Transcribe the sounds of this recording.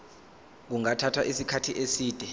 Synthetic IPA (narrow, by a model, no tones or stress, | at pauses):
k̬uŋatʰatʰwaʔisikʰatʰiʔesiːd̥ʱɛ